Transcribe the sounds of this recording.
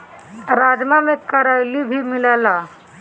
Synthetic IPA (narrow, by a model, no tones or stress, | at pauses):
ɾaːd͡ʒmamekəɾajlibʱimɪlala